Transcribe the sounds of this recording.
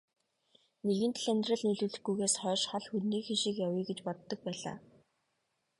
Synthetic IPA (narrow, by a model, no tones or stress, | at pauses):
neɣɘ̆nt̪ɮænʲt̪rə̆ɮniɮuːɮɘ̆xɡujɣeːsχœːʃχɔɮxunniːxiʃĭkjawiːɡet͡ɕpɔt̪ːɞ̆k̚pæːɮa̰ː